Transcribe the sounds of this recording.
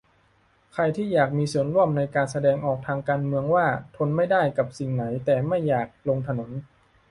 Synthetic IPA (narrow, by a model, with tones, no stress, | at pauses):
kʰɾa˧jt̪ʰiː˥˩jaː˨˩k̚miː˧su˨˩˦ənɾu˥˩əmna˧jkaː˧nsa˧dɛː˧ŋʔɔː˨˩k̚t̪ʰaː˧ŋkaː˧nmɯ˧əŋwaː˥˩t̪ʰo˧nma˥˩jda˥˩jka˨˩p̚si˨˩ŋna˩˦jt̪ɛː˨˩ma˥˩jːaː˨˩k̚lo˧ŋt̪ʰa˧no˩˦n